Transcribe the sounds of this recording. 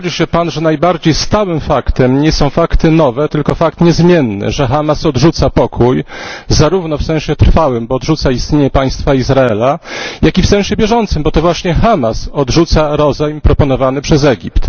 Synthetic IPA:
d͡ʑiɕɛpanʐɛnajbaɾd͡ʑejst̪awɘmfakt̪ɛmɲɛsɔ̃w̃fakt̪ɘnɔvɛt̪ɘlkɔfak̚t̪ɲɛzmʲjɛnːɘ̰ʐɛxamasɔd̪ʐut̪sapɔkʰujzaɾuvnɔfsɛ̃w̃ɕɛt̪ɾfawɘmbɔːd̪ʐut̪saist̪ɲeɲɛpaj̃st̪faizɾaɛlajakʲifsɛ̃w̃ɕɛbʲjɛʐɔnt̪sɘmbɔt̪ɔvwaɕɲɛxamasɔd̪ʐut̪saɾɔzajmpɾɔpɔn̪ɔvanɘpʂɛzɛɡʲipt̪

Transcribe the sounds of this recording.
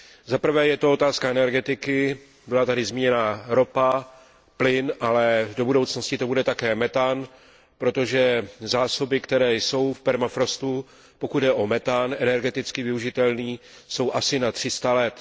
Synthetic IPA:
zapr̩vɛːjɛt̪o̞o̞t̪aːskaɛnɛɾɡɛt̪ɪkɪ | bɪlat̪adɪzmiɲɛnaːɾo̞pa | plɪnʔalɛdo̞budo̞wt͡snoscɪt̪o̞budɛt̪akɛːmɛt̪an | pɾo̞t̪o̞ʒɛzaːso̞bɪkt̪ɛɾɛːjso̞wfpɛɾmafɾo̞st̪u | po̞kud̪dɛʔo̞mɛt̪anɛnɛɾɡɛt̪ɪt͡skɪvɪuʒɪt̪ɛlniː | so̞wʔasɪnat̪r̝̥ɪst̪alɛt̪

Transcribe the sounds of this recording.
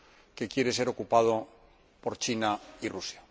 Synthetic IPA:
ke̞kje̞ɾe̞se̞ɾo̞kupað̞o | po̞ɾt͡ʃinairusja

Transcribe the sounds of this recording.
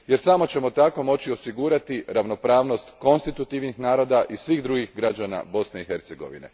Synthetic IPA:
je̞ɾsamo̞t͡ɕe̞mo̞t̪ako̞mo̞t͡ɕio̞siɡuɾat̪iɾaʋno̞pɾaːʋno̞st̪ko̞nst̪it̪ut̪iʋnixnaːɾo̞d̪aʔisʋiɣd̪ɾuɡixɡɾad͡ʑana̰bo̞sne̞ixe̞ɾt̪se̞ɡo̞̰ʋḭne̞̰

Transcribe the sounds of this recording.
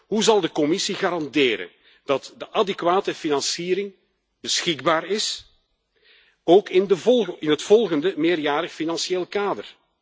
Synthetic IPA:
ɦuzɑlˠdəkɔmɪsiɣaːɾɑndeːɾə̰n | d̥ɑtdəʔadɛkʋaːtəfinɑnsiːɾɪŋ | b̥əsxɪɡ̚baːrɪs | oːkɪndəvɔlɪnɦətfɔlˠɣəndəmeːrjaːɾəxfinɑnsieːlˠkaːdə̰r

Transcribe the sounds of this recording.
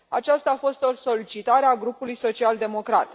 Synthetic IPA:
a̰t͡ʃast̪aːfo̞st̪o̞sso̞lit͡ʃit̪aɾeaɡɾupulujso̞t͡ʃiald̪e̞mo̞kɾat̪

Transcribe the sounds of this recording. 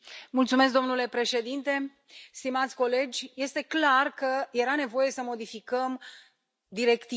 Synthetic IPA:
mult̪sume̞s̬k̚d̪o̞mnule̞pɾe̞ʃe̞d̪int̪e̞ | st̪imat̪sʲko̞le̞d͡ʒʲje̞st̪e̞klarkəje̞ɾane̞vo̞je̞səmo̞d̪ifikəm | d̪iɾe̞kt̪i

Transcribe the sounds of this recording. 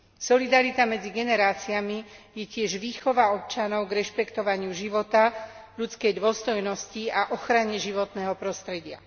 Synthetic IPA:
sɔlid̪aɾit̪amɛd͡ziɡɛnɛɾaːt͡siamijɛcɪɛʒʋiːxɔʋaɔp̚t͡ʃanɔʊɡɾɛʃpɛkt̪ɔʋaɲɪuʒiʋɔt̪aʎut͡skɛjd̪ʊɔst̪ɔjnɔsciaʔɔxɾaɲɛʒiʋɔt̪nɛːɦɔpɾɔst̪ɾɛɟɪa̰

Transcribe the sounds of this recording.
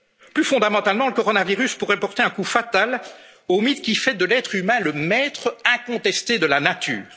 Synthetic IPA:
plyfɔ̃d̪amɑ̃t̪almɑ̃ləkɔʁɔnaviʁyspuʁɛpɔʁt̪eɛ̃kufat̪al | omit̪kʲifɛd̪əlɛt̪χymɛ̃ləmɛt̪χəɛ̃kɔ̃t̪ɛst̪ed̪əlanat̪y̰ːʁ

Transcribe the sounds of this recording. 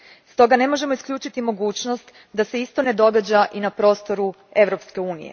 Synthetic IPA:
st̪o̞ɡane̞mo̞ʒe̞mo̞iskʎʲuːt͡ʃit̪imo̞ɡuːt͡ɕno̞st̪ | d̪ase̞ist̪o̞ne̞d̪o̞ɡad͡ʑaʔinapɾo̞st̪o̞ɾu | e̞ʋɾo̞pske̞uːnḭjḛ

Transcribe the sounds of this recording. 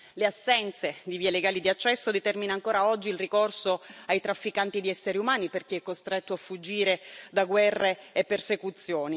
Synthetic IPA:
leasːɛnt̪sed̪iviːeleɡaːlid̪iat͡ʃːɛsːod̪et̪ɛrminaːŋkoːɾaɔd͡ʒːilrikorsoajt̪ɾafːikant̪id̪iɛsːeɾiumaːniperk̟iɛkːost̪ɾet̪ːoafːud͡ʒːiːɾed̪aɡwɛrːeːpːersekut̪sːjoːni

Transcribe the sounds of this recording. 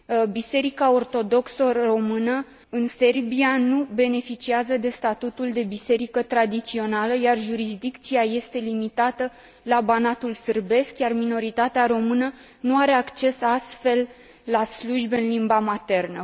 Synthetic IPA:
bise̞ɾikao̞rt̪o̞d̪o̞ksoro̞mɨnə | ɨnse̞rbianube̞ne̞fit͡ʃiazəd̪e̞st̪at̪ut̪uld̪e̞bise̞ɾikət̪ɾad̪it̪sio̞naləjarʒuɾizd̪ikt̪siaje̞st̪e̞limit̪at̪ə | labanat̪ulsɨrbe̞skjarmino̞ɾit̪at̪eaɾo̞mɨnə | nuaɾe̞akt͡ʃe̞sast̪fe̞lː | asluʒbɨnlimbamat̪e̞rnə

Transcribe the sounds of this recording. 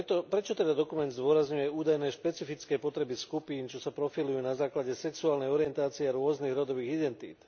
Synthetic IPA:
t̪ɔpɾɛt͡ʃɔt̪ɛd̪ad̪ɔkumɛnd̪zd̪ʊɔɾazɲujɛuːd̪ajnɛːʃpɛt͡sifit͡skɛːpɔt̪ɾɛbiskupiːnt͡ʃɔsapɾɔfilujuːnazaːklaɟɛsɛksuaːlnɛjɔɾɪjɛnt̪aːt͡siɛaɾʊɔzniɣɾɔd̪ɔʋiːɣid̪ɛnt̪ḭːt̪

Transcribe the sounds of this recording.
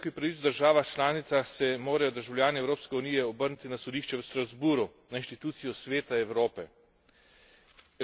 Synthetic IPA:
kɔipɾaʋitt͡s̪d̪əɾʒaːʋaxt͡ʃlaːnit̪saxsɛmoːɾajɔd̪əɾʒawljaːniɛwɾoːpskɛunijɛɔbəɾnit̪inasɔd̪iːʃt͡ʃɛwst̪ɾazbuːɾunainʃt̪it̪uːt̪sijɔsʋeːt̪aɛwɾoːpɛ

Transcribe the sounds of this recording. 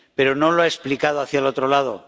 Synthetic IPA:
pe̞ɾo̞no̞loaesplikað̞oaθjalo̞t̪ɾo̞laðo̞

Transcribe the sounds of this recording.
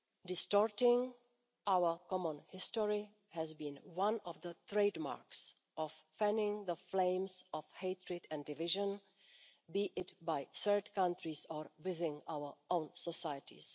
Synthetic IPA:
dɪstɔɹtɪ̃ŋ | ʔaʊwə˞kɔmə̃nhɪstɔɹi | hɛzbĩnwãnɔvðət̪ɹeɪdma̰ɹks | ʔɔffɛ̃nɪ̃ŋðəflẽɪ̃msɔfheɪt̪ʰɹɛdɛ̃ndɪvɪʒə̃n | biʔɪtbajsɜ˞tkãntɹizɔɹwɪðɪ̃ŋawə˞õʊ̃nsɔsajətʰḭs

